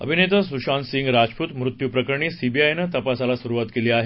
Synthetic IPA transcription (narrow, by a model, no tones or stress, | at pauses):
ə̰bʱinet̪əsuɕansiŋɡɾad͡ʑpuːt̪mɾut̪jupɾəkəɾɳiːsibiajnət̪əpasalasuɾuʋat̪keliːaɦe